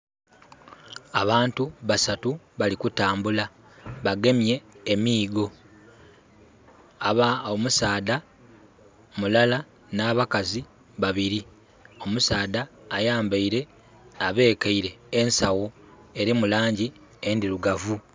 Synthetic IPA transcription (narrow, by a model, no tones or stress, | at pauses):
aβaːntuβasatu | βalikutaːmbula | βaɡe̞mje̞ːmiːɡo̞ | aβaomusaːda | mulala | naːβakazi | βaβiɾi | o̞musaːdaːjaːmbaiɾe̞ | aβe̞ːkaiɾe̞ːnsawo | e̞ɾimulaːɲɟi | endiɾuɡavu